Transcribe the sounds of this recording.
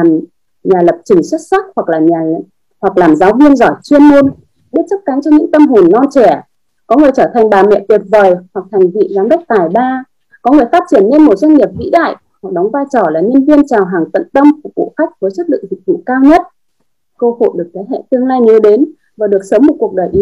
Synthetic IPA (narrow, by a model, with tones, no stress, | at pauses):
a˨˩m | ɲaː˨˩lə˨˩p̚t͡ɕï˨˩ŋ̟swə˦˥t̚sa˦˥k̚hwa˨˩k̚laː˨˩ɲaː˨˩˨ | hwa˨˩k̚laː˨˩mzaː˨˦wvi˧ənzɔ˧˩jt͡ɕwi˧ənmo˧n | ɓi˦˥t̚t͡ɕə˦˥t̚ka˨˦ŋt͡ɕɔ˧ɲɨ̰˧˥ŋt̪ə˧mɦo˨˩nːɔ˧nt͡ɕɛ˧˩ | kɔ˨˦ŋɨ˨˩əjt͡ɕəː˧˩t̪ʰa˨˩jŋ̟ɓaː˨˩mɛ̰˧˨t̪wi˨˩ət̚vəː˨˩jhwa˨˩k̚t̪ʰŋ̟vḭ˧˨zaː˨˦nɗə˦˥k͡p̚t̪aː˨˧˩jɓaː˧ | kɔ˨˦ŋɨ˨˩əjfaː˦˥t̚t͡ɕi˧˩ənːe˧nmo˨˩t̚zwa˧jŋ̟ɲi˨˩əp̚vḭ˧˥ɗa̰ː˧˨jʔ | ha˨˩k̚ɗɔ˨˦wŋ͡mvaː˧jt͡ɕɔ˧˩laː˨˩ɲə˧nvi˧ənt͡ɕaː˨˩wɦaː˨˩ŋt̪ə̰˧˨nt̪ə˧wmfkṵ˧˨xa˦˥jk̟̚vəː˨˦jswə˦˥t̚lɨ̰˧˨ŋzi˨˩k̚vṵ˧˨kaː˧wɲə˦˥t̚ | kəː˧ho̰˧˨ɗɨ˨˩ək̚t̪ʰe˨˦jhɛ̰˧˨t̪i˧ənlaː˧jɲə˨˦ɗe˨˦n | vaː˨˩ɗɨ˨˩ək̚səː˨˦mːo˨˩t̚ku˨˩ək̚ɗəː˨˩jʔi˨˦